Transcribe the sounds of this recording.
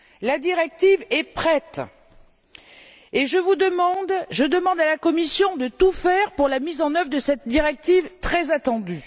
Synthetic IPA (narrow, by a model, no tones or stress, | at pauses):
lad̪iʁɛk̚t̪ivɛpχɛt̪ | eʒəvud̪əmɑ̃d̪ʒəd̪əmɑ̃d̪alakɔmisjɔ̃d̪ət̪ufɛʁpuʁlamizɑ̃nœvʁəd̪əsɛt̪̚d̪iʁɛk̚t̪ivt̪χɛzat̪ɑ̃d̪y